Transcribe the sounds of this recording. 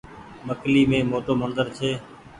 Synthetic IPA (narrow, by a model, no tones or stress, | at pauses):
məkliːmẽːmoːʈoːmənd̪əɾt͡ʃʰeː